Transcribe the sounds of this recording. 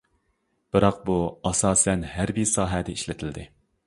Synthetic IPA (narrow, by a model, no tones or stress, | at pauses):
b̥ɨɾɑq̚buɑsɑːsɛnɦæɾbisɑːɦɛd̪ɛiʃlɪt̪ʰɪld̪ɪ